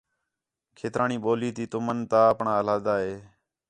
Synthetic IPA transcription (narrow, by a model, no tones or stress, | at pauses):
kʰeːt̪ɾʔaːɳiːɓoːliːt̪iːt̪ʊmənt̪aːəpɳaːəlaːd̪aːɦeː